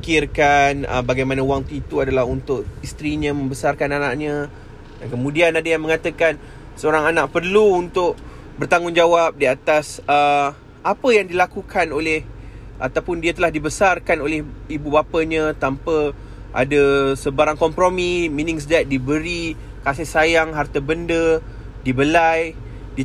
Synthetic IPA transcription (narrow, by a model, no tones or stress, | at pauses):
ikɪrkanə̰baɡajmanãwaŋt̪ut̪uadalaɦunt̪ʊʔist̪ɾiɲə̃mə̃mbəsarkananaʔɲã | dankəmũdianadajaŋmə̃ŋat̪əkan | səoɾaŋanaʔpərluːnt̪ʊʔ | bərt̪aŋʊŋd͡ʒawap̚diat̪asə | apəjaŋdilakukʰanolɛhʔat̪awpʊndiat̪əlahdibəsarkanolɛhibubapəɲãt̪ampə | ʔa̰dəsəbaɾaŋkɔmpɾomiminɪ̃ŋs̬əd͡ʒat̪̚dibəɾi | kasɪhsajaŋɦart̪əbəndə | dibəlaj | di